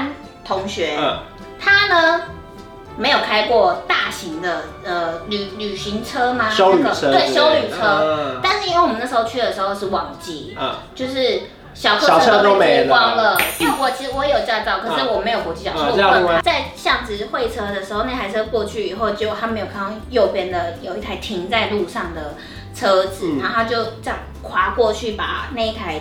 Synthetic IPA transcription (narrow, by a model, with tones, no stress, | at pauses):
n | t̪ʰʊ˧˦˥ŋɕɥɛ˧˦ | t̪ʰa˥nə˨ | me˧˥ɪjo˨˩ʊkʰa˥ɪkwɔ˥˧t̪a˥˩ɕi˧˥ŋd̪ə˧ | ə˩ly˨˩ly˨˩ɕi˧˥ŋt͡sʰɤ˥ma˧˥˦we˥˩ɪɕjo˥ʊly˨˩t͡sʰɤ˥t̪a˥˧nʂɻ̩˥˩i˧˥nwe˥˩wmə˦na˥˩ʂɻ̩˧o˥˧ʊt͡ɕʰy˥d̪ə˩ʂɻ̩˧˥xo˥˧ʊʂɻ̩˥˩wɑ˨˩ŋt͡ɕi˧˥t͡ɕjo˥˧ʊʂɻ̩˥˩ | ɕjɑ˨˩ʊt͡sʰɤ˥˨˩o˥˨˥kwɑ˥ŋlə˨˩˥wɔ˧˥˩t͡ɕʰi˧˥ʂwɔ˧˥˦jɛ˧˥jo˨˩t͡ɕjɑ˥˧t͡sɑ˥˩ʊkʰɤ˨˩ʂɻ̩˥˩wɔ˨˩me˧˥ɪjo˨˩ʊkɔ˧˥t͡ɕi˥t͡ɕjɑ˨˩o˥˧˥t͡sa˥˧ɪɕjɑ˥˩ŋd͡zɹ̩˩xwe˥˩ɪt͡sʰɤ˥d̪ə˨ʂɻ̩˧˥o˥˧ʊna˥˩ɪtʰa˧˥ɪt͡sʰɤ˥kwɔ˥˧t͡ɕʰy˥˩i˨˩xo˥˧ʊt͡ɕjo˥˧ʊt̪ʰa˥me˧˥jo˨˩kʰŋʰɑ˥˧ŋjo˥˩ʊpjɛ˥nd̪ə˨jo˨˩ʊi˥˩t̪ʰa˥˩ɪt̪ʰi˧˥ŋt͡sa˥˧ɪlu˥˧ʂɑ˥˩ŋd̪ə˩ | t͡sʰɤ˥d͡zɹ̩˨˩˦na˥˩t̪ʰa˥t͡ɕjo˥˩ʊt͡ɕɑ˥˩ | kʰwa˧˥kwɔ˥˧t͡ɕʰy˥˩pa̰˨˩na˥˩˥t̪ʰa˧˥ɪ